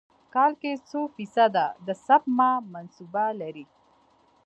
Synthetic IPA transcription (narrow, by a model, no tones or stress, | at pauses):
kɑlket͡sofisad̪ad̪əsapmamansubalaɾi